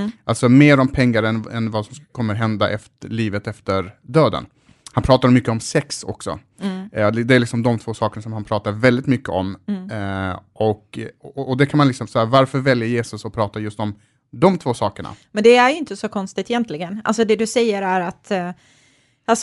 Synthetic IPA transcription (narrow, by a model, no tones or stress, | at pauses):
ʔalsɔmeːɾɔmpʰɛŋːaɾɛnɛ̰nvasɔmkʰɔmːəɾɦɛnd̪a̰ʔɛftɭiːvət̪ɛft̪əɾd̪øːd̪ə̰n | hanpʰɾɑːt̪aɾmʏkːəɔmsɛksɔ̰ksɔ̰ | d̪d̪ɛæɾlɪksɔmd̪ɔmt̪ʰvoːsɑːkəɳasɔmhanpʰɾɑːt̪aɾvɛld̪ɪt̪mʏkːəɔm | ʔɔkɔd̪ɛkʰanmanlɪksɔmsahæːɾvaɾfœɾvɛljəɾjeːsɵsɔpʰɾɑːt̪ajɵst̪ɔm | d̪ɔmt̪ʰvoːsɑːkəɳa̰mɛnd̪ɛæjɪnt̪əsɔkʰɔnst̪ɪt̪ɪjɛnt̪lɪɡəna̰lsɔd̪ɛd̪ɵsɛjːəɾæɾat̪ | als